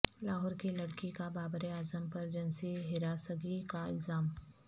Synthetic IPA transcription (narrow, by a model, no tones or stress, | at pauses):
laːɦɔːɾkilɐɽkikabaːbɾeaːzəmpɐɾd͡ʒɐnsiɦɪɾaːsəɡikaɪ̰lzaːm